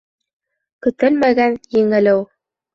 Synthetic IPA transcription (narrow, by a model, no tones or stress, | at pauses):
kɵ̆t̪ɘlmæɡænjɘ̆ŋɘ̆lɘw